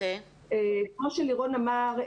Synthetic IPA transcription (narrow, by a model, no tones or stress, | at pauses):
ekmoʃeliʁonamaʁ